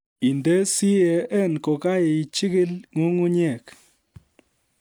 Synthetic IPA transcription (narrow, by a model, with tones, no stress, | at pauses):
i˨nde˦si˦jɛ˨e˦˨n˨ko˨ka˦je˨i˨t͡ʃi˦ki˦lŋu˦ŋu˦ɲeɛ˨k